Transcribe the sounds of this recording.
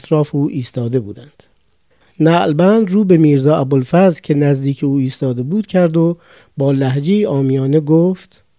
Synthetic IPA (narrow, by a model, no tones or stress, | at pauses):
t̪ʰɾɒːfeuːʔiːst̪ɒːd̪e̞bṵːd̪ænd̪̥ | næɡlbænd̪ruːbe̞miːɾzɒːʔæbolfæzlcʰe̞næzd̪iːcʰeuːiːst̪ɒːd̪e̞buːd̪̥cʰæɾd̪o̞ | bɒːlæɦd͡ʒejiɒːmijɒːneɡoːft̪